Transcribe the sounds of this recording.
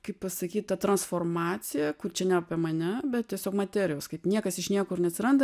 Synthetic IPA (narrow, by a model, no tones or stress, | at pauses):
kɐɪppɐsɐkʲiːt̪ɐt̪ɾɐnsfoːrmɑːt͡s̪ʲɪjɛkʊrt͡ʃʲɛnʲæːɐpʲiɛmɐnʲɛbʲɛt̪̚t̪ʲiɛsʲoːkmɐt̪ʲæːɾʲɪjoːskɐɪpnʲiɛkɐsɪʃnʲiɛkʊɾnʲɛɐt̪sʲɪɾɐnd̪ɐ